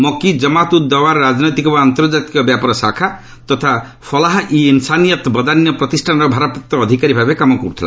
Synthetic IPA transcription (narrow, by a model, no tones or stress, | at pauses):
mɔkid͡ʒɔmat̪ud̪ːɔwaɾɾad͡ʒnɔjt̪ikɔbaant̪ɔɾd͡ʒat̪ikɔbjapɔɾɔsakʰa | t̪ɔt̪ʰa | pʰɔlaɦʔiːnsanijɔt̪bɔd̪anjɔpɾɔt̪isʈʰanɾɔbʱaɾapɔkt̪ɔːd̪ʱikaɾibʱabekamɔkɔɾut̪ʰila̰